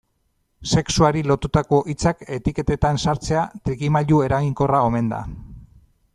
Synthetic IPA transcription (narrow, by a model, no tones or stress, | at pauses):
se̞ksuaɾilo̞t̪ut̪ako̞ʔit͡sake̞t̪ike̞t̪e̞t̪ansaɾt͡se̞at̪ɾiɣimaʎue̞ɾaɣiŋko̞rao̞me̞nd̪a̰